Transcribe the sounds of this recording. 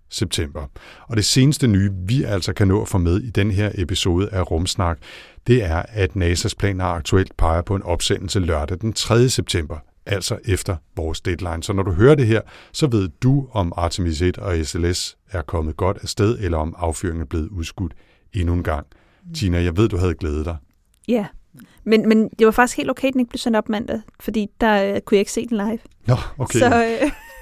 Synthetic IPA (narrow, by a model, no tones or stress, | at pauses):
seb̥̚t͡sʰem̰b̥ɐɒ̽ɾ̥e̝se̝ːnəsd̥ənyːʋiʔæl̰sɒ̽kʰænɔ̰̽ːæfɔ̰ːmeðˠid̥enəɦe̝ɐ̰ʔe̝piso̝ːð̞ˠəʔæʁɔ̽msnɑ̈ɡ̥d̥e̝æɐæd̥nɛːsæspʰlɛ̰ːnɐɑ̈ɡ̥̚t͡sʰuel̰d̥̚pʰɑ̈ɪɐpʰɒ̽e̝nɒ̽b̥sen̰l̩sʰəlːɶɐd̥æd̥ent͡sʰʁɛðˠjəseb̥̚t͡sʰem̰b̥ɐ | ʔæl̰sɒ̽ʔefd̥ɐʋɒːsd̥ed̥lɑ̈ɪnsɒ̽nɒɾuɦøːɐd̥e̝ɦe̝ɐ̰sɒ̽ʋe̝ð̞̰ˠd̥uɒ̽mɑ̈t͡sʰemis̬ed̥ɒ̽eseles | æɐkʰɒ̽məð̞̩ˠɡ̥ɒ̽d̥æsd̥eðˠelɐɒ̽mɑ̈ʊfy̰ɐ̰e̝ŋæɐb̥le̝ːð̩ˠuðˠsɡ̥ud̥ | e̝nuenɡ̥ɑ̈ŋ̰ | t͡sʰiːnæjɑ̈ɪʋe̝ð̞̰ˠd̥uɦæð̞̩ˠɡ̥leːð̞̩ˠd̥ɑ̈ɪ | jæmenmend̥eʋɑ̈fɑ̈ɡ̥isɡ̥he̝̰ldoʊkʰḛd̥eneɡ̥̚ble̝ʊsen̰d̥ɒ̽b̥mæn̰d̥ð̩ˠfɒ̽d̥ḭːd̥ɑkʰujɑ̈e̝ɡ̥se̝̰ːd̥enlɑ̈ɪʋnɒokʰeɒ